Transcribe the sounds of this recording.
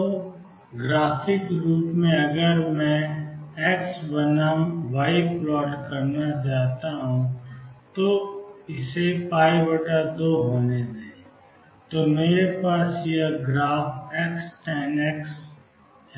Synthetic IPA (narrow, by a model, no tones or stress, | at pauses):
o | ɡɾaːfɪkɾuːʈmẽɐɡəɾmɛ̃ɛːksbɐnamʋaːɪplɔːʈkɐɾnat͡ʃaːɦt̪aɦũt̪oɪsepaːibəʈad̪oːɦoːnedae | t̪omeːɾepaːsjeɡɾaːfɛːksʈɛːnɛːks | ɦɛ